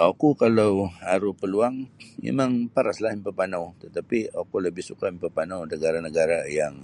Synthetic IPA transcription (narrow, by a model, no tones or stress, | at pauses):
ʔakukalawaɾupəluaŋmḛmãŋpaɾaslahmipəpanawt̪ət̪apiakuləbɪhsukamipərpanawnəɡaɾanəɡaɾajaŋ